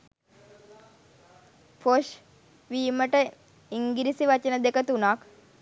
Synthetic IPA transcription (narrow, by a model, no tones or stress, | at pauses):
pʰoʃ | ʋiːməʈə | iŋɡiɾisiʋat͡ʃənəd̪ekət̪unak